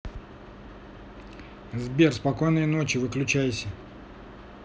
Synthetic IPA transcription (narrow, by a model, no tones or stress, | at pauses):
zbʲe̞rspɐko̞jnəjno̞t͡ɕɪvɨklʲʉt͡ɕæjɪsʲə